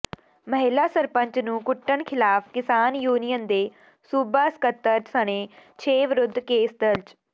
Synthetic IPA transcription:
məɦɪlaːsəɾpə̃ɲt͡ʃnũːkʊʈːəɳkʰɪlaːpʰkɪsaːnjuːnijənd̪eː | suːbaːskət̪ːəɾsəɽ̃eːt͡ʃʰeːʋɾʊd̪ʱːkeːsd̪əlt͡ʃ

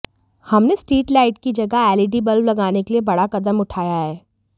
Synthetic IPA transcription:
hɐmnesʈiːʈlaːɪʈkid͡ʒɐɡaɛːliɖibɐlʋlɐɡaːnekeliebɐɽakɐd̪əmʊʈʰaːjaɦɛː

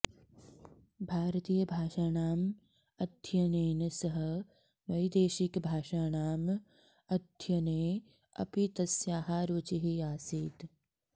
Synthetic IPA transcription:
bʱaːɾt̪iːjɐbʱaːʃaːnaːm | ɐd̪ʱjɐneːnɐsɐɦɐ̆ | ʋɐjd̪eːʃikbʱaːʃaːnaːm | ɐd̪ʱjɐneː | ɐ̰pit̪ɐsjaːɦaːɾoːt͡ʃiɦiaːsiːt̪

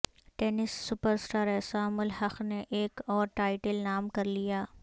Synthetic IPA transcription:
ʈɛːnɪsːʊpəɾsʈaːɾɛːsaːmʊlɦɐxneʔeːkɔːɾʈaːɪʈəlnaːmkɐɾlijaː

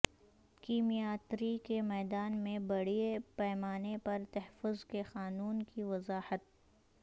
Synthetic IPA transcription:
kiːmijaːt̪ɾikemɛːd̪aːnmẽbɐɽiepɛːmaːnepɐɾt̪ɛɦfʊzkexaːnuːnkiʋɐzaːhət̪̚

